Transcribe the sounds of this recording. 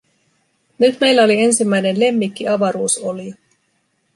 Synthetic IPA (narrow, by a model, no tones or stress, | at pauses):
nyt̪me̞jlːæo̞lie̞nsimːæjne̞nle̞mːikːiɑʋɑɾuːso̞lio